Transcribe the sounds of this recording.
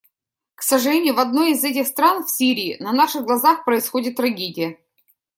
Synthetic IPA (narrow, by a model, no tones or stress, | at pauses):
ksəʐɨlʲenʲɪjʊvɐd̪no̞jɪzɛt̬ʲɪxst̪ɾanfsʲiɾʲɪːnɐnaʂɨɣɡlˠɐzaxpɾəɪsxodʲɪt̪ːɾɐɡʲedʲɪjə